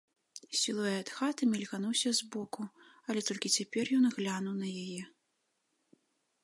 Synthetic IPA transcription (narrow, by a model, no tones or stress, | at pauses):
sʲilˠɔjɛɐt̪xat̪ɨmʲɛlʲɣanuwsʲɐzbɔkuɐlʲɛt̪ɔlʲkʲit͡sʲapʲɛrjɔnɣlʲanuwnɐjajɛ